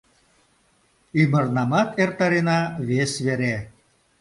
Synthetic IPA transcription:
imə̆rnɑmɑt̪ʰert̪ɑɾenɑβesβeɾe

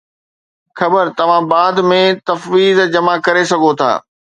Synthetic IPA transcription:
xɐbəɾt̪ɐʋ̤ãbaːd̪mẽt̪ɐfʋiːzd͡ʑɐmakɐɾesɐɡʱot̪ʰa̰ː

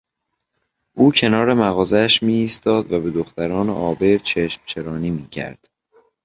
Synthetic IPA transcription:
ʔuːcʰe̞nɒːɾe̞mæɣɒːzeæʃmiːst̪ɒːd̪væbe̞d̪oxt̪æɾɒːnḛʔɒːbe̞ɾt͡ʃʰeʃmt͡ʃʰe̞ɾɒːniːmiːcʰæ̰ɾd̪̥

